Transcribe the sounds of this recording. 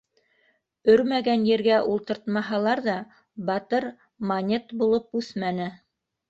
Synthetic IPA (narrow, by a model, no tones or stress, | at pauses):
ɵɾmæɡænjɘ̆ɾɡæʔulˠt̪ɤ̆ɾt̪mɑɦɑlˠɑɾðɑ | bɑt̪ɤɾ | mɐnʲet̪bulˠɤp̚ʉθmænɘ